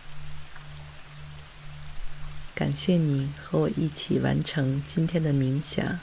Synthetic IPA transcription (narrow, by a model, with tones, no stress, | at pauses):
ka̰˨˩nɕjɛ˥˩ni˨˩˦xɤ˧˥wɔ˨˩ʔi˥˩t͡ɕʰi˨˩wa̰˧˥nʈ͡ʂʰɤ˧˥ŋt͡ɕi˥nt̪ʰjɛ˥nd̪ə˨mi˧˥ŋɕjɑ̰˨˩˦ŋ